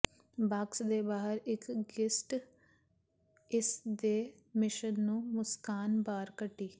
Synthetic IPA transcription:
baːksd̪eːbaːɦəɾɪkɡɪsʈ | ɪsd̪eː | mɪʃənːũːmʊskaːnbaːɾkəʈːiː

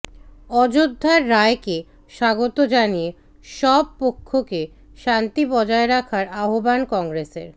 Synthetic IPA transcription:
ɔd͡ʑod̪ʱːaɾːaeke | ʃaɡot̪od͡ʑanije | ʃɔb̚pokʰːoke | ʃant̪ibɔd͡ʑaeɾakʰaɾaɦobankɔŋɾesḛɾ

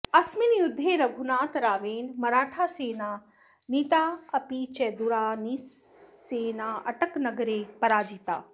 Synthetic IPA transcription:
ɐsminjʊd̪ʱːeɾɐɡʱunaːt̪ɾaːʋeːnmɐɾaːʈʰaːseːnaː | niːt̪aːɐpit͡ʃɛd̪uɾaːniseːnaːɐʈəknɐɡɾeːpɐɾaːd͡ʒit̪a̰ː

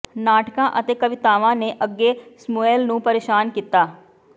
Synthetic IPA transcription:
naːʈkãːʔət̪eːkəʋɪt̪aːʋãːneːʔəɡːeːsmoːɛːlnũːpəɾeːʃaːnkiːt̪aː

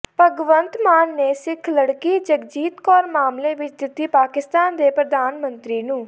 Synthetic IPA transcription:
pəɡʋənt̪maːnːeːsɪkʰləɽkiːd͡ʒəkd͡ʒiːt̪kɔːɾmaːmleːʋɪt͡ʃd̪ɪt̪ːiːpaːkɪst̪aːnd̪eːpɾəd̪aːnmənt̪ɾiːnũː

